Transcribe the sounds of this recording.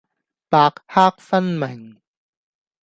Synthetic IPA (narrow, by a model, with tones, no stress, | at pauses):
paː˧k̚haː˥k̚fɐ˥nmɪ˨˩ŋ